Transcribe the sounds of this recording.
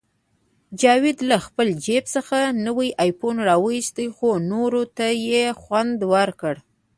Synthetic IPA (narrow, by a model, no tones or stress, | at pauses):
d͡ʒɑwɪd̪laxpəld͡ʒepsəxanəwəjʔɑjponɾɑwəjist̪əjxonoɾot̪ajexwand̪wəɾkəɽ